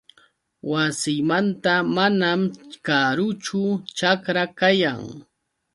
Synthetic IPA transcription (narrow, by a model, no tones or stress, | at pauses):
wasɪmant̪amanamkaɾʊt͡ʃʊt͡ʃakɾakajaŋ